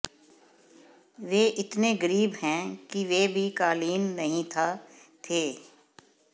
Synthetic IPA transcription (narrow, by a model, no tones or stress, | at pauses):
ʋeːʔɪt̪neɡəɾiːbɦɛ̃kiʋeːbʱikaːliːnːɐɦĩt̪ʰat̪ʰeː